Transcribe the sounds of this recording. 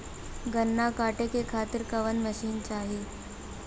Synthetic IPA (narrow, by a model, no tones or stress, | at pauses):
ɡənːakaːʈekekʰaːt̪iɾkəʋənməɕiːnt͡ʃaːɦe